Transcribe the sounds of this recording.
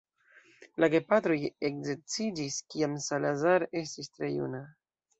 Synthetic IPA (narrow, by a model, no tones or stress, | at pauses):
laɡe̞patɾo̞jekze̞ɾt͡sid͡ʒiskiamsalazaɾe̞stistɾe̞jṵna